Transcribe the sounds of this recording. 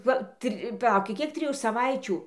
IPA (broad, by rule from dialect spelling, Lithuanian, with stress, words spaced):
ˈʋɐ ˈtʲrʲɪ pɐˈlˠɐʊkʲɪ ˈkʲiɛk tʲrʲɪˈjuː sɐˈʋɐɪt͡ʃʲuː